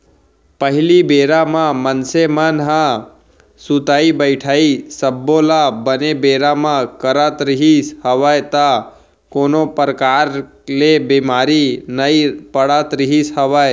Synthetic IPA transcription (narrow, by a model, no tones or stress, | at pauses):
pəɦɪlibeːɾamãmənsemənɦã | sut̪aːibəɪʈʰaːisəbːolabənebeːɾamãkəɾat̪ɾɪɦishəʋajt̪a | koːnopəɾəkaːɾ | lebimaːɾinəipəɽat̪ɾɪɦisɦəʋaj